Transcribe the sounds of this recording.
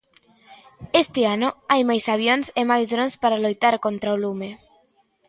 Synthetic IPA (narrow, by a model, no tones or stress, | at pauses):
est̪eanoajmajsaβ̞jonsemajzðɾonspaɾalojt̪aɾkont̪ɾaolume